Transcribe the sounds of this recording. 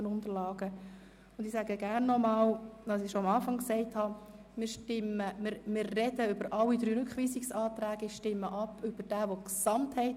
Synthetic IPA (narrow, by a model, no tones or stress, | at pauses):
ənʊndəɾlɑːɡ̥ə | ʊnd̪ɪsæɡəɡ̥ærnːɔmɑːldɑsɪʃoɑmɑːfɑŋksɛɪthɑ | mɪːɾʃtɪməmɪɾmɪːrːɛdəʏbəɾʔɑlːid̥̪ɾyːɾʏkχʋiːsɪksɑːtɾæːɡ̥əɪʃtɪmːəʔɑpʰʏb̥əɾd̥æːʋoksɑmthɛɪt